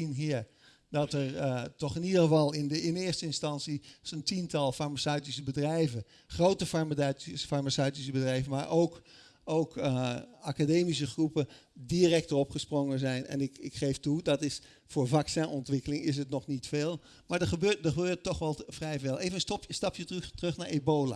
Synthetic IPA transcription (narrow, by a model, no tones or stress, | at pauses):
inɦiə | dɑtərtɔχɪnidəəvɑlˠɪndəɪnɪstəɪnstɑnsisəntintɑlˠfaɹmasœɥtisəbədrɛjvən | χrowtəfaɹmfaɹmasœɥtis̬əbədrɛjvənmaɹʔowk | owkəakadeːmis̬əχrupə | dirɛk̚tərɔpχəsprɔŋənzɛjnɛ̰nɪkɪkχejftudɑtɪs | foːɹvɑksɛ̃nɔntʋɪkəlɪŋɪs̬ətnɔχnitfeːlˠ | maɹdəχəbøːdəχəbøːtɔχʋɛlˠfrɛjvɛlˠejvənsɔpəstɑpjəttrɵxnaɹeboːla̰